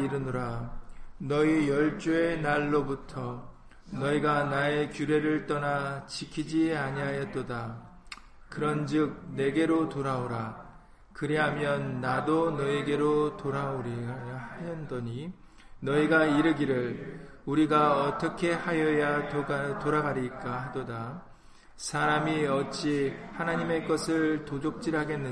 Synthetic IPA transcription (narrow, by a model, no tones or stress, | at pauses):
iɾɯnoɾa | nʌijʌɭt͡ɕ͈ue̞naɭːobutʰʌ | nʌiɡanae̞kjuɾe̞ɾɯɭt͈ʌnat͡ɕikʰid͡ʑiaɲiajʌt͈oda | kɯɾʌnd͡ʑɯk̚ne̞ɡe̞ɾotoɾaoɾa | kɯɾiɦamjʌnːadonʌeɡe̞ɾotoɾaoɾijahajʌndʌɲi | nʌiɡaiɾɯɡiɾɯɭ | uɾiɡaʌt͈ʌkʰe̞hajʌjaatoɾaɡaɾiɭk͈ahadoda | sʰaɾamiʌt͡ɕ͈ihanaɲime̞k͈ʌsʰɯɭtod͡ʑok̚t͡ɕ͈iɾɦaɡe̞nːɯ